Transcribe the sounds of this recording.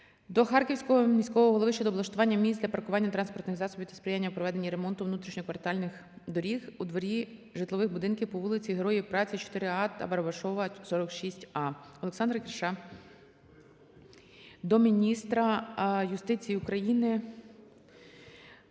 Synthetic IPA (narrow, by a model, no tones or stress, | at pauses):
d̪ɔxɑrkʲiwsʲkɔɦɔmʲisʲkɔʋɔɦɔlˠɔʋɪʃt͡ʃɛd̪ɔblˠɐʃt̪ʊʋɑnʲːɐmʲizd̪lʲɐpɐrkʊʋɑnʲːɐt̪ɾɑnspɔrt̪nɪɣzɑsɔbʲiwt̪ɐ̥spɾʲɪjanʲːɐwpɾɔʋɛd̪e̞nʲːiɾe̞mɔnt̪ʊʋnut̪ɾʲiʃnʲɔkʋɐrt̪ɑlʲnɪx | d̪ɔɾʲixud̪ʋɔɾʲiʒɪt̪lˠɔʋɪxbʊd̪ɪnkʲiwpɔʋulˠɪt͡sʲiɦeɾɔjiwpɾɑt͡sʲit͡ʃɔ̥t̪ɪɾɪɑt̪ɐ̰bɐɾɐbɐʃɔʋɐsɔɾɔkʃisʲtʲɑɔleksɑnd̪ɾɐkɪɾʃɑ | d̪ɔmʲinʲist̪ɾɐjʊst̪ɪt͡sʲijiʊkɾɐjinɪ